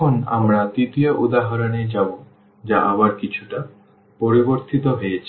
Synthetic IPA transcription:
ona̰mɾad̪it̪ijoʔud̪aɦɔɾoned͡ʑabo | d͡ʒaʔabaɾkit͡ʃʰuʈa | poɾiboɾt̪it̪oɦojet͡ɕʰi

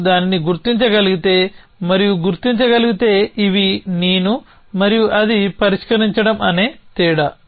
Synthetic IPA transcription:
d̪aːniniɡuɾt̪iɲt͡ʃɐɡɐliɡit̪e̞ː | mɐɾijuɡuɾt̪iɲt͡ʃɐɡɐliɡit̪e̞ːiʋineːnu | mɐɾijuʔɐd̪ipɐɾiʂkɐɾiɲt͡ʃɐɽɐmɐneːt̪iːɽɐ

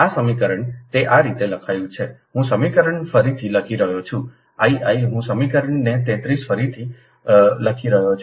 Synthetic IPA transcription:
asəmikəɾəɳt̪eʔaɾit̪eləkʰajũt͡ʃʰeɦũsəmikəɾəɳfəɾit̪ʰiləkʰiɾəɦot͡ʃʰũ | aiʔaiɦũsəmikəɾəɳnet̪ɛ̃t̪ɾisfəɾit̪ʰi | ləkʰiɾəɦot͡ʃʰ

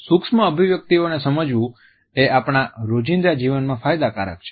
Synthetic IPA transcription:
sukʂmə̃əbʱiʋjək̚t̪ionesəməd͡ʒʋũ | eʔapɳ̃aɾod͡ʒĩnd̪ɾad͡ʒiʋənmãfajd̪akaɾə̰k̚t͡ʃʰe̥

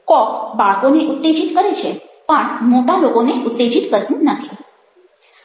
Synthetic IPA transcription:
kɔkbaɭkoneʔut̪ːed͡ʒit̪kəɾet͡ʃʰepəɳ̃moʈalokoneʔʊt̪ːed͡ʒit̪kəɾt̪ũnət̪ʰi

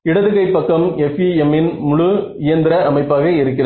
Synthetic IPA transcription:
ɪɽɐðɯɣɐɪpːɐkːɐmɛfiɛmːɪnmʊɻʊɪjɐnd̪ɪɾɐɐmɐɪpːaːɣɐɪɾɯkːɪlɐ

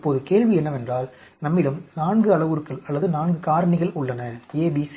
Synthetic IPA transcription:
pːoːðɯkeːɭʋiɛnːɐʋɛndraːl | nɐmːɪlɯmnaːɳɡɯɐɭɐʋɯɾɯkːɐɭɐlːɐðɯnaːɳɡɯkaːɾɐɳɪɣɐɭʊɭːɐnɐeːbis

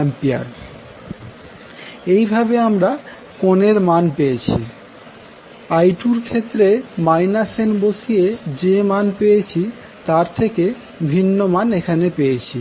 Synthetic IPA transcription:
mpia̰ɾ | ejbʱabeamɾa | koneɾmanpejet͡ɕʰḭ | ajʈuɾkʰet̪ːɾemajnasenbosijed͡ʑemanpejet͡ɕʰi | t̪aɾt̪ʰeke | bʱinːomanekʰanepejet͡ɕʰi

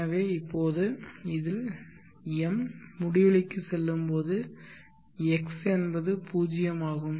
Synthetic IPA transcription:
ɐʋeːɪpːoːðɯɪðɪl | ɛmːʊɽɪʋɐɭɪkːɯsɛlːɯmpoːðɯ | ɛksɛnbɐðɯpuːd͡ʒɪjɐmaːɣɯm

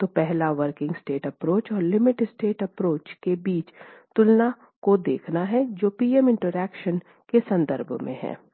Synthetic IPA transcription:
t̪oːpɛɦlaʋəɾkɪ̃ŋɡsʈeːʈɐpɾoːt͡ʃɔːɾlɪmɪʈsʈeːʈɐpɾoːt͡ʃkebiːt͡ʃt̪ʊlna | kod̪eːkʰnaɦɛd͡ʒoːpiːɛmɪ̃ɳʈəɾɛːkʃən | kesɐ̃nd̪əɾbʱmḛ̃ɦɛ̰̃ː

